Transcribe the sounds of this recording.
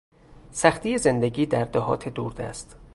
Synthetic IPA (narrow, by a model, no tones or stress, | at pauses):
sæxt̪ʰiːje̞ze̞nd̪eɡiːd̪æɾd̪ɒɦɒ̰ːt̪ʰed̪uːɾd̪æ̰st̪